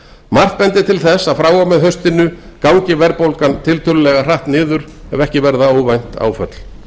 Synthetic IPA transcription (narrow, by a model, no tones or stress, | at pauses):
mar̥t̪̚pɛnt̪ɪt̪ʰɪlθɛsaðfɾaːwamɛðɦœɥst̪ɪnʏkawɲcɪvɛɾpowlkant̪ʰɪlt̪ʰʏlʏlɛɣar̥aht̪nɪːðʏɾ̥ | ɛvɛhcɪvɛɾðaoːwvajn̥t̪ʰa̰ːwfœ̰t̪l̥